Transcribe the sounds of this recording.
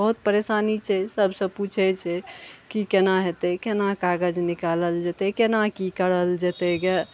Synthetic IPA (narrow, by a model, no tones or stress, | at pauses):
bəɦut̪̚pəɾesanit͡ʃʰɛsəbʱsəput͡ʃʰɛt͡ʃʰɛkikenaɦet̪ɛkenakaɡəd͡ʒnikaləld͡ʒet̪ɛkenakikəɽəld͡ʒet̪ɛɡe